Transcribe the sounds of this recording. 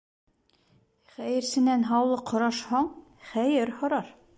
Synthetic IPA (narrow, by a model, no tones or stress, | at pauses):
χæjɘ̆ɾsɘ̆nænɦɑwlˠɤqhŏɾɑʃhɑɴχæjɘɾhŏɾɑɾ